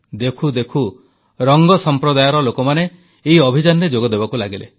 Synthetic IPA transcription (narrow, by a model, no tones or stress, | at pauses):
d̪ekʰud̪ekʰu | ɾɔŋɡɔsɔmpɾɔd̪ajɔɾɔlokɔmaneː | iɔbʱid͡ʒanɔɾed͡ʒoɡɔd̪ebɔkulaɡile